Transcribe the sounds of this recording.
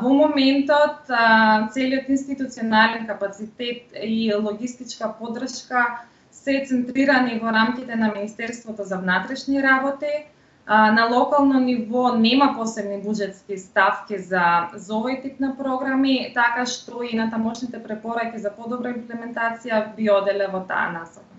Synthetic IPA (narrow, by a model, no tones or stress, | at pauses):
vɔmɔmɛnt̪ɔt̪t̪sɛliɔt̪inst̪it̪ut̪siɔnalɛnkapat̪sit̪ɛt̪ilˠɔɡist̪it͡ʃkapɔd̪r̩ʃka | sɛt̪sɛnt̪ɾiɾanivɔɾamkit̪ɛnaminist̪ɛɾst̪vɔt̪ɔzavnat̪ɾɛʃniɾabɔt̪i | nalˠɔkalˠnɔnivɔnɛmapɔsɛbnibud͡ʒɛt̪skist̪afkizazɔvojt̪ipnapɾɔɡɾamit̪akaʃt̪ɔinat̪amɔʃnit̪ɛpɾɛpɔɾakizapɔd̪ɔbɾaimplɛmɛnt̪at̪sijabiɔd̪ɛlɛvɔt̪a̰a̰nasɔka